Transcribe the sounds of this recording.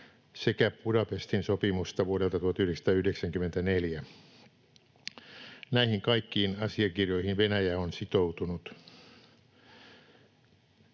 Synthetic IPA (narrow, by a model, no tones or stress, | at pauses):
sekæpudɑpest̪insopimust̪ɑʋuoɾelt̪ɑt̪uhɑt̪yhɾdekst̪ɑːyhdeksæŋkymːˑent̪æneljæ | næihiŋkɑikːiːnɑsiɑkirjo̞ihinʋenæjæonsit̪out̪unut̪